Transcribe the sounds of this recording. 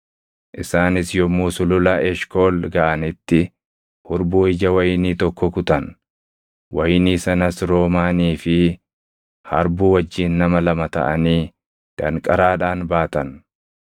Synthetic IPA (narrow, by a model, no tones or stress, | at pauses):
ʔɪsaːnɪsjɔmuːsʊlʊlɐʔɛʃkoːlɡɐʔɐnɪt̪ːɪ | hʊɾbuːɪd͡ʒɐwɐjniːt̪ɔkːɔkʊt̪ɐn | wɐjniːsɐnɐsɾo̞ːmaːniːfɪ | hɐ̰ɾbuːwɐd͡ʒːiːnːɐmɐlɐmɐt̪ɐ̰ʔɐniː | d̪̥ɐŋkʼɐɾaːᶑaːnbaːt̪ɐn